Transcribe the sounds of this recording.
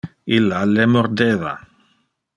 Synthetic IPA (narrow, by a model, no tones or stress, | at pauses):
ilalemoɾd̪eða̰